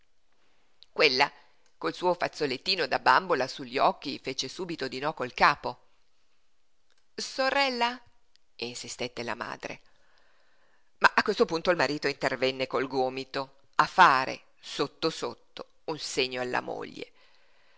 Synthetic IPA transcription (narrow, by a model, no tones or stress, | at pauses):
kwelːa | kolsuːofat̪sːolet̪ːiːnod̪abambolasuʎːiɔkːifet͡ʃesuːbit̪od̪inɔkoilkaːpo | soɾɛlːa | insist̪et̪ːela̰ma̰ːd̪ɾḛ | maʔakːwest̪opunt̪oilmaɾiːt̪oint̪ervɛnːekolɡoːmit̪o | afaːɾḛ | sot̪ːosot̪ːo | unseɲːoalːa̰mo̰ʎːḛ